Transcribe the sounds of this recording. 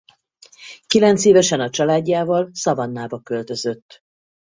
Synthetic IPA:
kilɛnt̪seːvɛʃɛnɒt͡ʃɒlaːɟːaːvɒlsɒvɒnːaːbɒkø̞lt̪ø̞zø̞t̪ː

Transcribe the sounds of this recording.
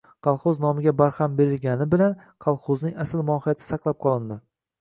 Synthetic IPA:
qʰɑlˠχʊznɒmɪɡʲabaɾhambe̞ɾɪlɡʲanɪbɪlan | qʰɑlˠχoznɪŋasɪlmɒhɪjat̪ʰɪ̥sɑqlˠap̚qʰɒlˠɪnd̪ɪ

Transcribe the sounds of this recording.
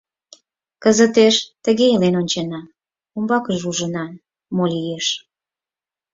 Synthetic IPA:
kəzət̪eʃt̪əɣeilenonʲt͡ɕɑnɑ | umbɑkəʒuʒənɑ | molijeʃ

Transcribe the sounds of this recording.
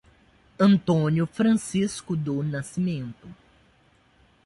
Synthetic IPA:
ɐ̃nt̪õnjʊfɾɐ̃siskʊd̪ʊnasimẽnt̪ʊ

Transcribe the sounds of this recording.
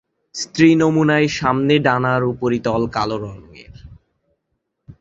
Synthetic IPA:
st̪ɾinomunaeʃamneɖanaɾupoɾit̪ɔlkaloɾɔŋːḛɾ

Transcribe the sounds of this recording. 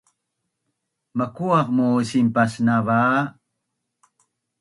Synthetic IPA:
makuɑqmusimpasnava

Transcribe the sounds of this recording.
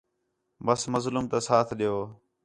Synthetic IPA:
bəsməzlumt̪asaːt̪ʰɗɪjoː

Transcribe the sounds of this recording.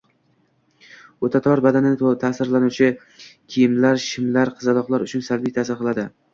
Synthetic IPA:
ot̪ʰat̪ʰɒɾbad̪anɪnɪt̪ʰasɪɾlanuwt͡ʃʰɪ | kʲʰijɪmlaɾʃɪmlaɾqʰɨzad̪ɒqlˠaɾʊt͡ʃʰʊnsalbijt̪ʰasɪɾqʰɨlˠad̪ɪ

